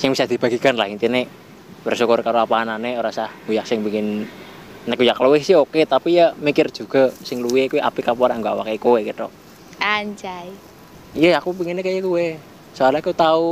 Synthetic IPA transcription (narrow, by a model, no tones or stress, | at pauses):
sɪŋbisad̪̥ib̥a̤ɡikanlahint̪ine | bərsukʊrkaɾoapaːnaneoɾasahɡ̥ujak̚sɪŋbiŋɪn | nəkujakluwɪhsɪɦoket̪apijamikɪr̥d͡ʒ̥uɡ̥a̤sɪŋluwiekuweʔa̰pikapoɾaŋɡoa̰wa̰kajkowekit̪ɔ̰ | aɲt͡ʃai | ijəakupiŋɪnekajəkuwe | soalakut̪au